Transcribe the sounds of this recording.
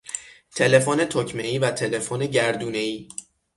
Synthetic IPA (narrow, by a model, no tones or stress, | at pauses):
t̪ʰe̞le̞fone̞t̪ʰocʰmeiːvæt̪ʰe̞le̞fone̞ɟæɾd̪uːne̞iː